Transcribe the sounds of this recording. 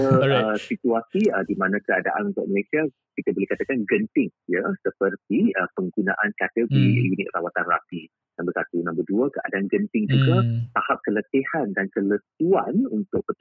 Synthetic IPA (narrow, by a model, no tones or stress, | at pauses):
əəsit̪uasiədimãnãkəada̰ʔanunt̪ʊ̰ʔ̚məlasia | kit̪abolehkat̪akanɡənt̪ɪŋjəsəpərt̪iəpəŋɡunã̰ʔankat̪əɡoɾijunɪt̪̚rawat̪anra̰pi | nãmbəsat̪unambəduakəʔa̰daʔanɡənt̪ɪŋd͡ʒuɡat̪ahap̚kələt̪ehandankələt̪uanunt̪ʊk̚pə